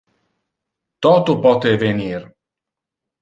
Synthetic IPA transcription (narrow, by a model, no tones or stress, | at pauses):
t̪ɔt̪upɔt̪evenir